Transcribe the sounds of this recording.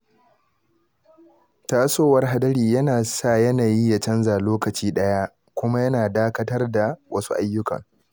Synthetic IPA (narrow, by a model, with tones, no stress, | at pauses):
taː˦soː˦wɐ˦rɦa˦dɐ˦ɽiː˨jɐ˦naː˨sa˦˨jɐ˦naː˨ji˦jɐ˨t͡ʃɐ˦nzaː˨loː˦kɐ˨t͡ʃiː˦ɗɐ˦ja˦ʔ | kʷʊ˦ma˦jɐ˦naː˨daː˦kɐ˦tɐ˦rda˨wɐ˦su˦ʔa˦jːʊ˦kɐ̰˨ŋ